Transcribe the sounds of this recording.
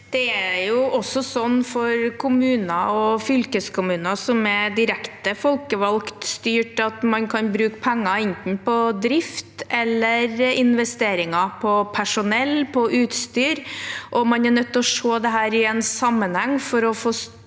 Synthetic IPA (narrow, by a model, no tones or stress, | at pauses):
d̪̥ɛæjʊʔɔsːɔsɔnːfɔɾkʰʊmʉːnɑɔfʏlkəskʰʊmʉːnɑsɔmɛd̪ɪɾɛkt̪əfɔlkəʋɑlkt̪st̪yːʈɑt̪mɑnkʰɑnbɾʉːkpʰɛŋːɑɛnt̪n̩pɔd̪ɾɪft̪ɛlːəɾɪnʋɛst̪eːɾɪŋɑpʰɔpʰæʂʊnɛlːpʰɔʔʉːt̪st̪yːɾʔɔmɑnɛɳœt̪ːɔʂoːd̪ɛɦæːɾɪɛnsɑmːənhɛŋːfɔɾɔfoːs